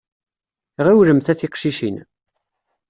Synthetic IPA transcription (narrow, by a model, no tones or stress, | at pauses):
ʁiwɾəmθæθiqʃiʃin